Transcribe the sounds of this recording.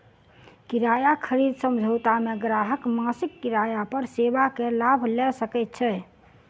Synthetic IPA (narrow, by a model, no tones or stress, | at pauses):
kiɾajakʰəɾid̪səmd͡ʒʱət̪ameɡɾaɦəkmasikːiɾajapəɾsebakelabʱlɛsəkɛt̪̚t͡ʃʰɛ